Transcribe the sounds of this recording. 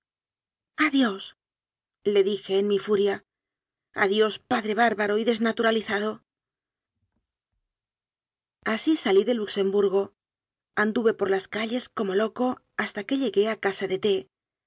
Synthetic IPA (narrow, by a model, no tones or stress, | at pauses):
aðjo̞s | le̞ðixe̞ːnmifuɾja | a̰ðjo̞spaðɾe̞β̞aɾβaɾo̞iðe̞znat̪uɾaliθaðo̞ | asisaliðe̞lukse̞mbuɾɣo̞ | and̪uβe̞po̞ɾlaskaʎe̞sko̞mo̞lo̞ko̞ | ast̪ake̞ʎe̞ɣe̞akasaðe̞t̪e̞